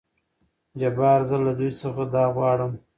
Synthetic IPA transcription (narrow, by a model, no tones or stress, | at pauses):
d͡ʒabɑɾzəlad̪ujt͡səxad̪ɑɣwɑɽəm